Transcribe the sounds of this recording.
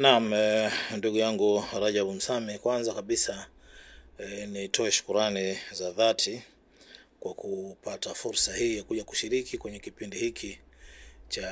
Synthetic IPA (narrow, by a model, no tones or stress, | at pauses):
nam̩nduɠujaŋɡuɾaʄaɓum̩samɛkwanzakaɓisa | nitɔɛʃu̥kuɾanizaðatʰi | kwakʰupatafuɾsahiːjakuʄaku̥ʃiɾikikwɛɲɛkipindihikʰi | t͡ʃa